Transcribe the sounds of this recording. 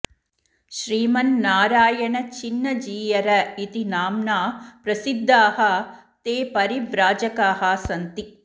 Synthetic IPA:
ʃɾiːmɐnːaːɾaːjɐɳɐt͡ʃinːɐd͡ʒiːjɐɾɐit̪inaːmnaːpɾɐsid̪ʱːaːɦɐt̪eːpɐɾiʋɾaːd͡ʒɐkaːɦaːsɐnt̪i

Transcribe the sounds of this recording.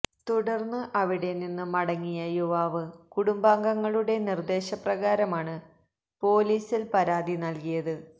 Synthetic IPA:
t̪uɽɐrnːɨʔɐʋiɽe̞ninːɨmɐɽɐŋːijɐjoʋaːʋɨkuɽumbaːŋɡɐŋːɐɭuɽe̞nird̪e̞ːɕɐprɐɣaːɾɐmaːɳɨ | po̞ːliːsilpɐɾaːd̪inɐlkijɐðɨ

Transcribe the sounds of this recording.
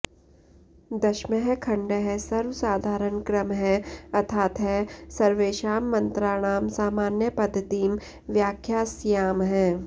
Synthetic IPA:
d̪ɐʃməɦɛkʰɐ̃ɳɖəɦɛ̃sɐɾʋsaːd̪ʱaːɾənkɾəmɦɛ̃ɐt̪ʰaːt̪ɦɛsɐɾʋeːʃaːmːɐ̃nt̪ɾaːɽ̃aːmsaːmaːnjəpɐd̪ʱːət̪iːm | ʋjaːkʰjaːsjaːmɦɛ̃ː

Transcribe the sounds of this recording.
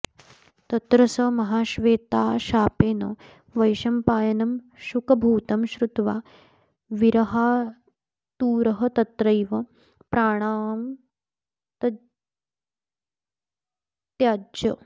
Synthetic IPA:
t̪ɐt̪ɾɐsɐmɐɦaːʃʋeːt̪aːʃaːpeːnɐ | ʋɐjʃɐmpaːjɐnɐm | ʃukɐbʱuːt̪ɐmɕɾut̪ʋaː | ʋiɾɐɦaː | t̪uːɾɐɦɐt̪ɐt̪ɾɐjʋɐ | pɾaːɽ̃aːm | t̪ɐ | t̪jaːd͡ʒɐ

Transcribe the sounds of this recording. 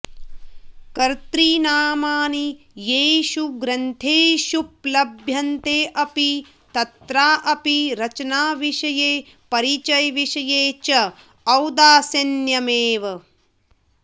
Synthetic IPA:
kɐɾt̪ɾiːnaːmaːni | jeːʃuɡɾɐnt̪ʰeːʃup̚lɐbʱjɐnt̪eːʔɐpi | t̪ɐt̪ɾaːʔɐpiɾɐt͡ʃɐnaːʋiʃɐjeː | pɐɾit͡ʃɐjʋiʃɐjeːt͡ʃɐ | ɐwd̪aːsɐnjɐmeːʋɐ

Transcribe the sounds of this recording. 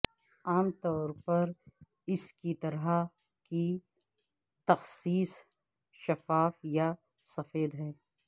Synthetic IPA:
aːmt̪ɔːɾpɐɾ | ɪskit̪ɐɾa | ki | t̪ɐxsiːs | ʃɐfaːfja | sɐfeːd̪ɦɛː

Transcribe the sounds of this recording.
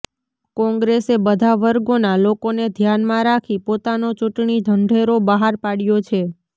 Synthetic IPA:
kɔ̃ŋɡɾesebəd̪ʱaʋəɾɡonalokoned̪ʱjanmãɾakʰipot̪anot͡ʃuʈɳid̪ʱəɳɖʱeɾobəɦaɾpaɽjot͡ʃʰe

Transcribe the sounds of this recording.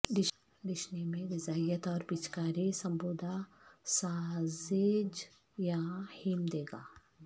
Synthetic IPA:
d̪ɪ | d̪ɪʃnimẽɾɪzaːjət̪ɔːɾpɪt͡ʃkaːɾisɐ̃mboːd̪ʱa | saːzɪd͡ʒ | jahɪmd̪eːɡaː

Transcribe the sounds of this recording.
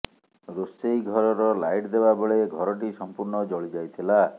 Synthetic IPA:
ɾosejɡʱɔɾɔɾɔlajʈd̪ebabeɭeɡʱɔɾɔʈ̬isɔmpuɾɳɔd͡ʒɔɭid͡ʒajt̪ʰila

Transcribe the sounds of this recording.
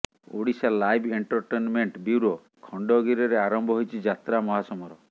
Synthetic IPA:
o̰ɽisalajbʱeɳʈɔɾʈenmeɳʈbjuwɾo | kʰɔɳɖɔɡiɾɔɾeaɾɔmbʱɔɦojt͡ʃʰid͡ʒat̪ɾamɔɦasɔmɔɾɔ

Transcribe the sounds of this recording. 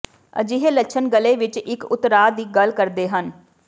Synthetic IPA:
ə̰d͡ʒɪɦeːləʃʰənɡəleːʋɪt͡ʃɪkʊt̪ːɾaːd̪iːɡəlkəɾd̪eːɦən

